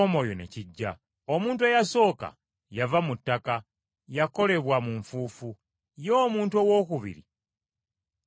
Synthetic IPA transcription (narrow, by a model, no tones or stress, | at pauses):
omo̞jonḛciɟːa | omuːntuejaso̞ːka̰ | javamutːaka | jako̞le̞βwamuɱfuːfu | jo̞ːmuːntuo̞wo̞kuβḭɾḭ